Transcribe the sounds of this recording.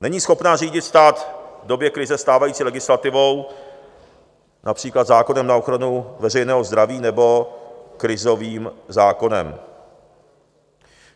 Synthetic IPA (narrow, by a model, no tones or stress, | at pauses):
nɛɲiːsxo̞pnaːriːɟɪt̪st̪aːt̪vdo̞bjɛkɾɪzɛst̪aːvajiːt͡siːlɛɡɪslat̪ɪvo̞w | napr̥iːklat̪zaːko̞nɛmnao̞xɾanuvɛrɛjnɛːɦo̞zd̪ɾaviːnɛbo̞kɾɪzo̞viːmzaːko̞nɛ̰m